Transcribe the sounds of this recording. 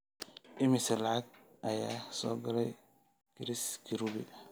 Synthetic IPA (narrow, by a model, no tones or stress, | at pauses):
ʔɪmɪsɐlɑʕɑɡʔɐjaːsɔːɡɐlɛj | kʰɪɾɪskʰɪɾuβɪ̰